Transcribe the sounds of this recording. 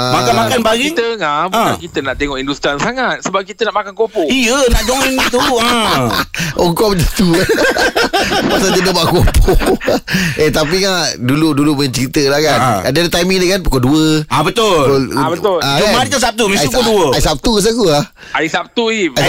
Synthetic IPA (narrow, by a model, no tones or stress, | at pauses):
amakanmakanbaɡit̪əŋabulakit̪ənaʔt̪eŋɔʔindust̪ɾansaŋat̪̚səbap̚kit̪ənaʔmakankopɔʔijənaʔd͡ʒoŋiŋnit̪ua | ɔŋkɔməd͡ʒət̪u | pasad͡ʒədəbaʔkopʰɔ | ʔet̪ap̬iŋaʔduluduluməɲat͡ʃəɾit̪əlahkanadədat̪ajmiŋdəkanpu̥koduəabət̪olobət̪ʊlaomadit̪asap̚t̪umĩukoduəaisap̚t̪ukəs̬akulah | aisap̚t̪ui